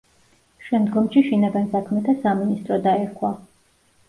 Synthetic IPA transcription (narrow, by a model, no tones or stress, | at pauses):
ʃɛmd̪ɡɔmʃiʃɛnaɡansakʰmɛt̪ʰasaminist̪ʼɾɔd̪aɛɾkʰwa